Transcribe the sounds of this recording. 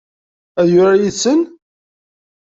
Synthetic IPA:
æðjʊɾajisːən

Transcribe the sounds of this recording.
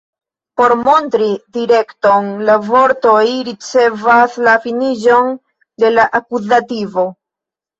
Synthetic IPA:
po̞ɾmo̞ntɾidiɾe̞kto̞nlavo̞ɾtojɾit͡se̞vaslafiniʒo̞n | de̞laʔakuzativo̞

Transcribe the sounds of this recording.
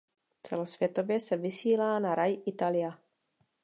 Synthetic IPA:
t͡sɛlo̞sv̥jɛt̪o̞vjɛsɛvɪsiːlaːnaɾajʔɪt̪alɪja

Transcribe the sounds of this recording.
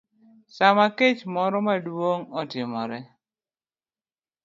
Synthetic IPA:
samaket͡ʃmɔɾɔmadwoŋɔtɪmɔɾɛ

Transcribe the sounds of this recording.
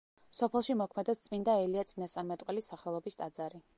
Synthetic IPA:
sɔpʰɛlˠʃimɔkʰmɛd̪ɛpst̪sʼmind̪aɛliat̪sʼinast̪ʼaɾmɛt̪ʼqʼwɛlisːaχɛlˠɔbist̪ʼad̪zaɾi

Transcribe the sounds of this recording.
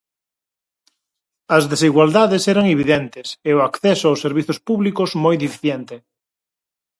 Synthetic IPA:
ɐzðesiɣwald̪aðesɛɾaŋeβiðɛnt̪eseʊakθɛsoawsːeɾβiθospuβlikozmojðifi̥θjent̪e

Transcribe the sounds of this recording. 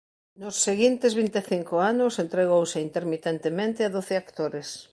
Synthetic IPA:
nʊsːeɣint̪ezβ̞int̪eθiŋkoanʊsent̪ɾeɣ̞owseint̪eɾmit̪ent̪emẽnt̪ɪaðoθɪakt̪oɾes

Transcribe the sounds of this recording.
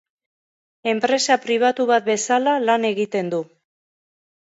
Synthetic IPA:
e̞mpɾe̞sapɾiβ̞at̪uβat̪̚be̞salalane̞ɣit̪e̞nd̪u

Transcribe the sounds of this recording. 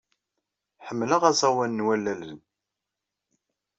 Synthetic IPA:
ħəmːləʁæzˤɑwænːwælːælən

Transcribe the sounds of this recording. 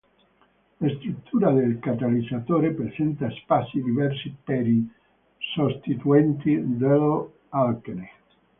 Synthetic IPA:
last̪ɾut̪ʰːuːɾad̪elkat̪alid̪zat̪oːɾepɾesɛnt̪aspasːid̪ivɛrsipeɾi | sost̪it̪uɛnt̪id̪el | alkene

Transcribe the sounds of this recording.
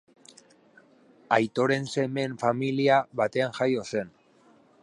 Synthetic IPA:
ajt̪o̞ɾe̞nse̞me̞ɱfamiliaβat̪e̞anʝajo̞se̞n

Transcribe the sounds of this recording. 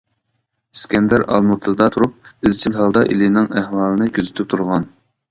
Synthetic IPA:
skʲʰɛnd̪æɾɑ̰lˠmut̪ʰd̪ɑt̪ʰuɾup̚ɪzt͡ʃʰilɦɑlˠd̪ɑʔḭlinɪŋæhwɑːlˠɨnɨkʲʰøzyt̪ʰyp̚t̪ʰuɾʁɑn

